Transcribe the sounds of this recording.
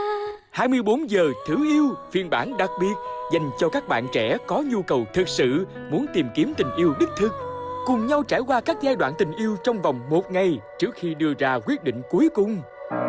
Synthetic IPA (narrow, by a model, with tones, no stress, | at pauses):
haː˧jmɨ˧əjɓo˨˦nzəː˨˩t̪ʰɨ˧˩ʔi˧əwfi˧ənɓaː˧˩nɗa˨˩k̚ɓi˨˩ət̚za˨˩jŋ̟t͡ɕɔ˧kaː˦˥k̚ɓa̰ː˧˨nt͡ɕɛ˧˩˥kɔ˨˦ɲu˧kə˨˩wt̪ʰɨ˨˩k̚sɨ̰˧˨ | mu˨˦ənt̪i˨˩mki˨˦əmt̪ï˨˩ŋ̟ʔi˧əwɗɨ˦˥k̚t̪ʰɨ˨˩k̚kʊ˨˩ŋ͡mɲa˧wt͡ɕa̰ː˧˩jkwaː˧kaː˦˥k̚zaː˧jɗwa̰ː˧˨nt̪ï˨˩ŋ̟ʔi˧əwt͡ɕɔ˧wŋ͡mvɔ˨˩wŋ͡mmo˨˩t̚ŋa˨˩jt͡ɕɨ˦˥ək̚xi˧ɗɨ˧əzaː˧kwi˦˥ət̚ɗḭ˧˨ŋ̟ku˨˦jkʊ˨˩ŋ͡m